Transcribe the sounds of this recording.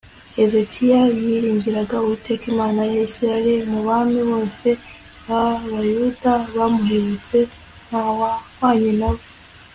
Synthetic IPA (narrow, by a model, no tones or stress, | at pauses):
e̞zecʰijajiɾiːɲɟiɾaɡauβute̞kimaːnajeçiɾaɾemuβamiβo̞ːse̞ | βaβajudaβamuhe̞βut͡se̞ | n̥hawawaːɲinaβo